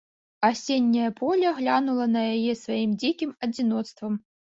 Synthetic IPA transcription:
asʲenʲːɐjɐpʰolʲɐɣlʲanulˠənɐjajesvaimdʲikʲimɐdʲinot̪st̪vəm

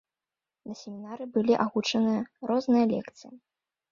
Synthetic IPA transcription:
nɐsʲemʲinaɾɨbɨlʲiʔaɣut͡ʂɐnɨjɐɾɔznɨjɐlʲɛ̰kt̪sɨjɐ

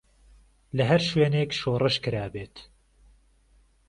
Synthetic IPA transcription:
lɐɦæɾʃweːneːkʃoːrɨʃkɨɾaːbeːt̪

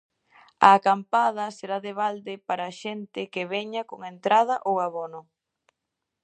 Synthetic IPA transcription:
ɐ̰ːkampað̞ɐseɾaðɪβald̪ɪpaɾaʃɛnt̪ɪkɪβeɲakoŋent̪ɾað̞ɐʔowaβonʊ

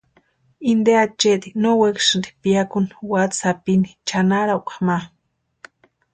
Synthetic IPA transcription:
ind̪eat͡ʃet̪inowekʃɨnd̪i̥piakunwat̪sapini̥t͡ʃanaɾaukḁma

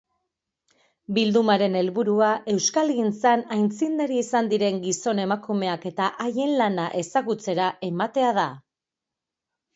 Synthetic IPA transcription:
bild̪umaɾe̞ne̞lβuɾuaʔe̞wskalɣint͡sanajnt͡sind̪aɾiisand̪iɾe̞ŋɡiso̞ne̞makume̞ake̞t̪aʔaje̞nlanaʔe̞saɣut͡se̞ɾaʔe̞mat̪e̞að̞a

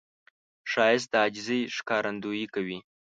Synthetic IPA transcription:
ʃɑjɪs̬t̪̚d̪əad͡ʒɪzəjʂkɑɾʔand̪ujikawi

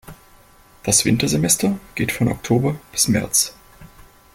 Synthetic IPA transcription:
d̥asv̥ɪntɐzemɛstʰɐɡ̥eːtfɔnʔɔ̰ktʰoːbɐb̥ɪsmɛ̰ɐt͡s

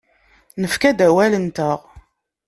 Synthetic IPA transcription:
nəfkæd̪æwælənt̪əʁ

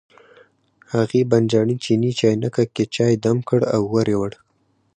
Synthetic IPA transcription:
haɣeband͡ʒɑɳit͡ʃinit͡ʃɑjnakaket͡ʃɑjd̪amkəɽawːaɾewəɽ

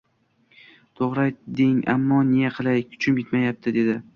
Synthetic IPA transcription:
t̪ʰoʁɾajd̪ɪŋa̰mːɒnejaqʰɨlˠajkʲʰʊ̥t͡ʃʰɪmjɪt̪majap̚t̪ʰɪd̪e̞d̪ɪ

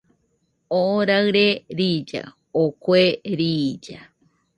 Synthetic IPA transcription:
oɾaɨɾeɾid͡ʒa̰ | okʷeɾid͡ʒa

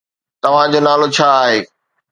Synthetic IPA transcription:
t̪ɐʋ̤ãd͡ʑoːnaːlot͡ɕʰaːɦeː

